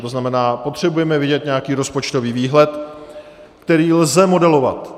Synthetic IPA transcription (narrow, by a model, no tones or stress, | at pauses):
t̪o̞znamɛnaːpo̞t̪r̝̥ɛbujɛmɛvɪɟɛt̪ɲɛakiːɾo̞spo̞t͡ʃt̪o̞viːviːɦlɛt̪ | kt̪ɛɾiːlzɛmo̞dɛlo̞va̰t̪